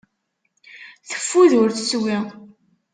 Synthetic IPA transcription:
θə̥fːuðʊɾθəswi

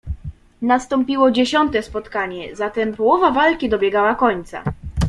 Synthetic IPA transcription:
nast̪ɔmpʲiwɔd͡ʑeɕɔnt̪ɛspɔt̪kaɲɛzat̪ɛmpɔwɔvavalkʲid̪ɔbʲjɛɡawakɔɲt̪sa̰

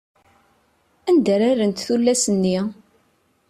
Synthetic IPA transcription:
ænd̪æɾaɾənt̪θulːæsənːi

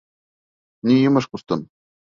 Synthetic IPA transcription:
nʲijɤmɤ̆ʂkust̪ɤ̆n

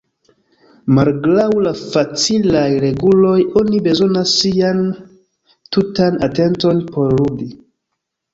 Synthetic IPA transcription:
malɡlawlafat͡silajɾe̞ɡulo̞jo̞nibe̞zo̞nasːian | tutanate̞nto̞npo̞ɾludi

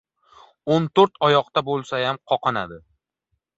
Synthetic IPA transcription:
ont̪ʰoɾt̪ɒjɒqt̪abolˠsajamqʰɒqʰɑnad̪ɪ

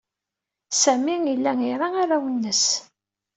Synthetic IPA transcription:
sæmiilːæniɾˤaaɾawənːəs

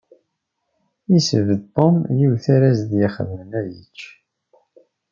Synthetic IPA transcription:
isəvəd̪̚t̪ˤːomjiwθaɾæzd̪jəχə̰ðmənæjə̰t͡ʃː

